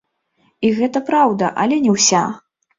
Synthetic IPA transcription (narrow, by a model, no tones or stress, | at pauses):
iɣɛt̪ɐpɾawd̪ɐʔɐlʲɛnʲɛwsʲa